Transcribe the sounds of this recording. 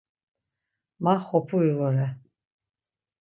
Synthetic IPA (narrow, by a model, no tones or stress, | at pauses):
maχɔpʰuivɔɾɛ